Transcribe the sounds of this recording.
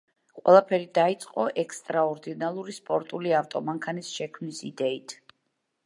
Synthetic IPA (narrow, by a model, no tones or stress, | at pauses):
qʼwɛ̰lˠapʰɛɾid̪ait̪sʼqʼɔʔɛkʰst̪ʼɾaɔɾd̪inalˠuɾispʼɔɾt̪ʼuliaft̪ʼɔmaŋkʰanisʃɛkʰmnisid̪ɛit̪ʰ